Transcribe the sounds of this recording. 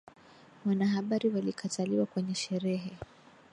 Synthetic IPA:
wanaɦaɓaɾiwalikʰatʰaliwakwɛɲɛʃɛɾɛɦɛ

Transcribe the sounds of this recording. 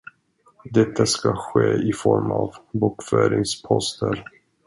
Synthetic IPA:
d̪ɛt̪ʰːaskaɧeːɪfɔɾmavbuːkfœːɾɪŋspʰɔst̪ʰəɾ

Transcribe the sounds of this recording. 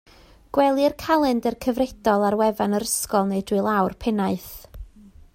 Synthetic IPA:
ɡ̥wɛlˠɨrkʰalˠɨndərkʰəvredɔlˠarwɛvanəɾəskɔlˠnedwɨlˠawrpʰɛnaɨθ

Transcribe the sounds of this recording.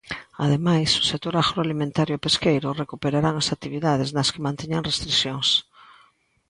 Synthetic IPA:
aðemajsʊ̥sek̚t̪oɾaɣɾoalimẽnt̪aɾjʊpeskejɾʊrekupeɾaɾaŋasak̚t̪iβiðað̞eznɐskemãnt̪eɲaŋrest̪ɾiθjoŋs

